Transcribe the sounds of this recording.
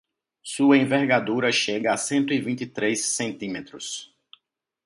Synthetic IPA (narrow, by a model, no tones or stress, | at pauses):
suɐẽvɛɾɡad̪uɾɐʃeɡɐasẽnt̪ʊivĩnt̪ɪt̪ɾejsːẽnt̪ĩmet̪ɾʊs